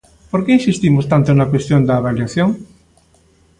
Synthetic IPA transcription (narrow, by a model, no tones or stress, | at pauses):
poɾkeinsist̪imost̪ant̪onakwest̪jond̪aːβaljaθjoŋ